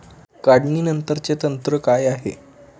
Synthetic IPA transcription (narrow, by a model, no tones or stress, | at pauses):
kaɽɳiːnənt̪əɾt͡set̪ənt̪ɾəkajaɦḛ